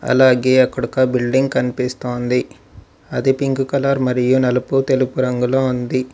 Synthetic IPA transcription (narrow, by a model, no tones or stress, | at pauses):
ɐ̰laːɡeːɐkːɐɽukɐbilɖiŋɡ̚kɐnipist̪oːnd̪i | ɐd̪ipiŋɡukɐlaːɾmɐɾijunɐlɐput̪e̞lupuɾɐŋɡuloːund̪i